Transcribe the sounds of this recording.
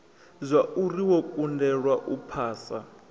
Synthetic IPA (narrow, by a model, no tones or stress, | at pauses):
zʷaʔuriwɔkʼundɛɺwaʔupʰaːsa